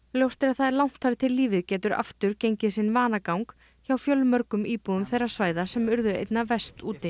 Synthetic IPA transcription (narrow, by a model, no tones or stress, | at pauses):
ljowst̪ɪɾaðθaðɛɾlawn̥t̪ʰːaɾt̪ʰɪlːiːvɪðcɛːt̪ʏɾa̰ft̪ʏɾcejɲcɪsɪnvaːnakawŋk | çawfjœlmœɾkʏmiːpuʏmθejrːḁsvaːjðasɛmʏɾðʏḛjt̪navɛst̪uːt̪ɪ